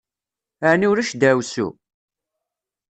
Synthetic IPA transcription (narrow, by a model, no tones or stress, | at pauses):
əʕniwɾæʃd̪æwsṵ